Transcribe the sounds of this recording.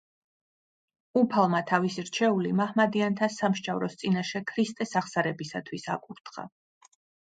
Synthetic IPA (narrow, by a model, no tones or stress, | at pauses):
upʰalˠmat̪ʰavisiɾt͡ʃʰɛulimahmad̪iant̪ʰasamʃt͡ʃʼavɾɔst̪sʼinaʃɛkʰɾist̪ʼɛsaχsaɾɛbisat̪ʰwisa̰kʼuɾt̪ʰχa̰